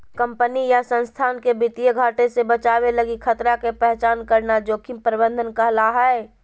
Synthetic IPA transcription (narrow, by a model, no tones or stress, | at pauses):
kə̃mpənijasə̃nst̪ʰaːnkebɪt̪ijəɡʱaːʈesebət͡ʃaːweləɡikʰət̪ɾakepɛɦt͡ʃaːnkəɾnad͡ʒoːkʰĩmpəɾɪbə̃nd̪ʱənkəɦlaɦɛe